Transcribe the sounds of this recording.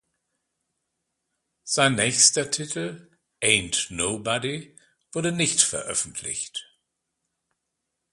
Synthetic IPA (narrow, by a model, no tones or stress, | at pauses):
z̥aɪnːɛːçstɐtʰɪtʰl̩ | ʔeɪntnoʊbɔdi | v̥ʊɐɾənɪçtfɛ̰ɐʔœ̰fn̩tʰlɪ̰çt